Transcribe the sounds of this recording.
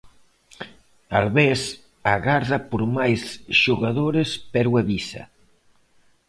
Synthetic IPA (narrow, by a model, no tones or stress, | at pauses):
alβes | aɣaɾðapoɾmajsʃoɣaðoɾespɛɾweβisa̰